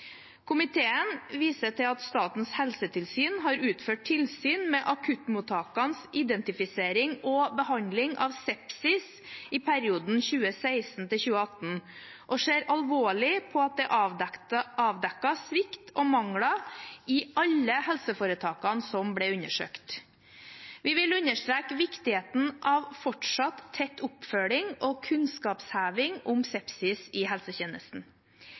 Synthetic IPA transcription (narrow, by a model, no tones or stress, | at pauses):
kʰʊmɪt̪ʰeːənʋiːsəʈ̪ʰɪlɑt̪st̪ɑːt̪n̩shɛlsət̪ʰɪlsyːnɦɑːɾʉːt̪føːʈ̚ʈʰɪlsyːnmɛʔɑkʰʉt̪muːt̪ʰːɑːkɑnsɪd̪ɛnt̪ɪfɪseːɾɪŋɔbəhɑnd̪lɪŋʔɑ̰ʋsɛpsɪs | ɪpʰæɾɪuːd̪n̩çʉːəsæɪsn̩t̪ɪlçʉːəɑt̪n̩ | ʔɔʂeːɾɑlʋoːɭɪpʰɔɑt̪̚d̪ɛʔɑ | ʔɑːʋd̪ɛkːɑsʋɪkt̪ʰɔmɑŋɽɑɪʔɑlːəhɛlsəfoːɾət̪ʰɑːkɑnsɔmblɛʉnəʂø̰ːkt̪ | ʋɪʋɪlʉnːəʂt̪ɾeːkʋɪkt̪ɪheːt̪n̩ʔɑʋfɔʈʂɑt̪ʰːɛt̪ːʊpfœɭɪŋɔkʰʉnskɑːpshæːʋɪŋʊmsɛpsɪsɪɦɛlsəçeːnəsn̩